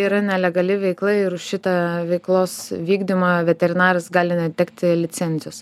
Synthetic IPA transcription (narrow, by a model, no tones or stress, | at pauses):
iːɾɐnʲɛlʲɛɡɐlʲɪʋʲɛɪklˠɐɪɪɾʊʃʃʲɪt̪ɑʋʲɛɪklˠoːsʋʲiːɡd̪ʲɪmɐʋʲɛt̪ʲɛɾʲɪnɑːɾɐsɡɑːlʲɪnʲɛt̪ʲɛkt̪ʲɪlʲɪsʲɛnʲzʲɪjʊs